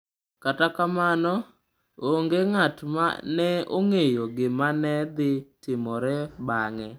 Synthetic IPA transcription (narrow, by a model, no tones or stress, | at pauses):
katakamanɔ | oŋɡeŋatma̰nɛo̰ŋejoɡɪmanɛd̪ɪtɪmɔɾɛbaŋɛ